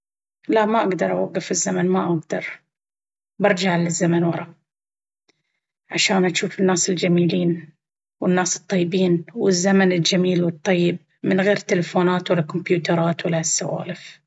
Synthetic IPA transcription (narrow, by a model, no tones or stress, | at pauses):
laʔmaʔaɡd̪ɑɾˤʔawaɡːɪfɪzːamanmaʔaɡd̪ɑ̰ɾˤ | bɑɾˤd͡ʒaʕlɪzːamanwɑɾˤɑ | ʕaʃaːnʔaʃuːfɪnːaːsɪld͡ʒamiːliːn | wɪnːaːsɨ̥t̪ˤːɑjːbiːnwɪzːamanɪld͡ʒamiːlwɨt̪ˤːɑjːɪb̚ | mɪnɣeːɾt̪ːɪlafoːnaːt̪wɪlːakʊmbjuːt̪ɑɾˤɑːt̪wɪlːasːa̰wa̰ːlɪf